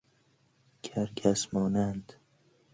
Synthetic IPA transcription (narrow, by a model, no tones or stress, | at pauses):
kʰæɾɡʲʰæsmɒːnænd̪